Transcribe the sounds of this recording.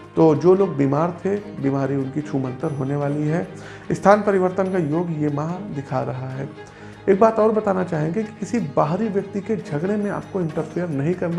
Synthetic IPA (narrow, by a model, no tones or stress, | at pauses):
t̪oːd͡ʒoːloːɡ̚biːmaːɾt̪ʰebiːmaːɾiʊnkit͡ʃʰuːmə̃nt̪əɾɦoːneʋaːliɦɛ | ɪst̪ʰaːnpɐɾɪʋəɾt̪ənkajoːɡjemãːd̪ɪkʰaɾɐɦaɦɛː | eːk̚baːt̪ɔːɾbɐt̪aːnat͡ʃaːɦẽɡeki̥kɪsibaːɦɾiʋjɐk̚t̪iked͡ʒʱɐɡɽ̃emẽa̰ːp̚koɪ̃ɳʈəɾfʰijəɾnɐɦĩkɐɾna